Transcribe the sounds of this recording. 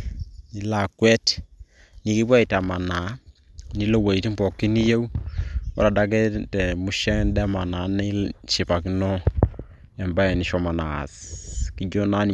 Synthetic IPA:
ni˨la˨kwɛ˦t | ni˨˦ki˦bwa˦i˨ta˨ma˨na˨˦ni˦lo˦˨we˨i˨ti˦mbɔ˨ki˦ni˦je˦u˦ɔ̰˦ɾa˨da˦k̬ɛ˦tɛ˨mu˦ʃɛ˦ndɛ˦ma˨na˨˦ne˦ʃi˨pa˨ki˦nɔ˦ | ɛ˨mba˦ɛ˨ni˨ʃɔ˨ma˨na̰˨ski˨d͡ʒo˦na˦n˨

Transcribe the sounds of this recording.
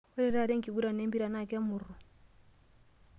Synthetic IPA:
ɛ˦ɾɛ˨ɾa˦˨ɾɛ˦ŋ˨ki˨ɡu˦ɾa˨nɛ˦mbi˦ɾa˨na˦˨kɛ˦mu˨ru˨

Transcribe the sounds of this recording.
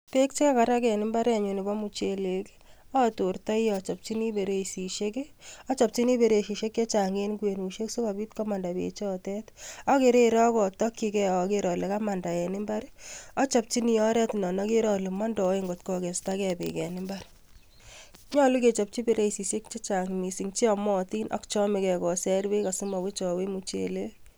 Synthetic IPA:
pe˦k̚t͡ʃi˦ka˦ka˨ɾa˦kɛ˨nɪ˦mba˦ɾɛ˨ɲu˨nɪ˨bɔ˦mu˨t͡ʃe˨le˨k | ɔ˦to˨rta˦jɔ˨t͡ʃa˨p̚t͡ʃi˦ni˦be˨ɾe˦si˨ʃe˦keɔ˦t͡ʃa˨p̚t͡ʃi˦ni˦be˨ɾe˨ʃi˨ʃe˦kje˦t͡ʃa˨ŋe˦nkwe˨nu˨ʃe˦kso˦ka˨bi˦tkɔ˦ma˨nda˨bḛ˨t͡ʃɔ˦tɛ˦tɔ˦ke˨ɾe˦ɾɔ˦kɔ˨tɔ˦kːi˦kɛɔke˦ɾɔ˨le˨ka˦ma˨nda˨ɛ˨nɪ˦mba˦ɾɔ˦t͡ʃa˨p̚t͡ʃi˦ni˨jɔ˦ɾɛ˦tnɔ˨nɔ˦ke˦ɾɔ˨le˨mɔ˦ndɔ˨˦e˦ŋɡo˨tkɔ˨ke˨sta˦kɛ˨bḛ˨kɛ˨nɪ˦mba˦ɾ | ɲɔ˦lu˦ke˨t͡ʃɔ˨p̚t͡ʃi˦be˦ɾe˦isi˨se˦k̚t͡ʃe˦t͡ʃa˨ŋmi˨si˨ŋt͡ʃi˦ɔmɔ˦ti˦nʔɔ̰˦kt͡ʃɔ˦me˨kɛ˨kɔ˨sɛ˦ɾbe˦ka˨su˦ma˨we˦t͡ʃɔ˨we˦mu˨t͡ʃḛle˦

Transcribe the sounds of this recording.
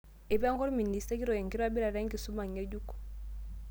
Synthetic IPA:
i˨pa˦ŋkɔ˦ɾmi˨ni˨sta˦ki˦ɾɔ˨e˨ŋki˦ɾa˦bi˦ɾa˨ɾe˦ŋki˨su˦ma˨ɲe˦ɟu˦kɔ̥˨

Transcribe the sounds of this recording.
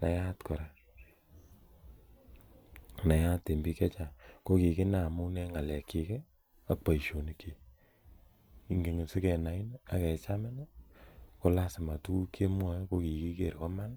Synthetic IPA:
na˨ja˦tkɔ˨ɾa˨ | na˨ja˦te˨mbi˦kɛ˦t͡ʃa˨ko˦ki˨kɪ˦na˦˨mʊ˦nɛ˦ŋa˨lɛ˨ki˨ke˦ | a˦k̚pa˨i˨ʃo˨ni˦ki˨ | i˨ŋɡe˨ŋe˨se˦kɛ˨na˨i˦na˨kɛ˨t͡ʃa˦mɛ˦na˦ko˦la˦sɪ˨ma˨tu˦u˦ke˦mwa˦jko˦ki˨ki˦ke˨ɾkɔ˦ma˦n

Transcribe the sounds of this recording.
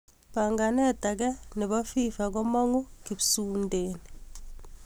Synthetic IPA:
paŋɡa˨nɛ˦ta˨k̬ɛ˦nɛ˨βa˦fifa˨k̬ɔ˦ma˦ŋu˦kibu˨sundeːni

